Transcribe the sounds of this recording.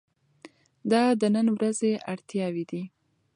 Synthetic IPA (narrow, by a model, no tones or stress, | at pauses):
d̪ɑd̪ənənwɾazeʔaɽt̪jɑwid̪i